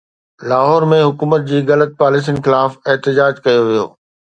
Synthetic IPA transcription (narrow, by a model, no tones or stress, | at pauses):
laːɦɔːɾmẽɦʊkuːmət̪̚d͡ʑiːɣɐlət̪̚paːlɪs̬inxɪlaːfeɦt̪ɪd͡ʑaːd͡ʑkɐjoʋijo̰ː